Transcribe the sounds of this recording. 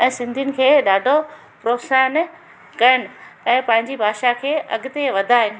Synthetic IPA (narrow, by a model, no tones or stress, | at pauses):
ɛ̃ːsɪ̃nd̪ʱiʊnɪ̆kʰeːɗaːɖʱo | pɾoːpsaːn | kɐɾəñɪ̆ɛ̃ːpɐ̃ɦɪ̃ɲ̆d͡ʑibʱaːʃakʰeːʔɐɡʊt̪eʋɐd̪ʱaːɦɪnɪ̆